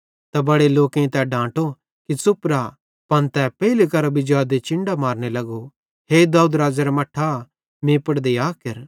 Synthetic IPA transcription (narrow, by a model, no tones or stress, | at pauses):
t̪abɐɽeloːkẽĩt̪ɛɖãːʈo | kit͡sʊpɾa | pɐnt̪ɛpɛilekɐɾabɪd͡ʒaːd̪et͡ʃɪ̃ɳɖamaːɾnelɐɡo | ɦeːd̪aːud̪ɾaːd͡ʒaɾamɐʈʰːa | mẽːpəɽd̪ejaːkɐɾ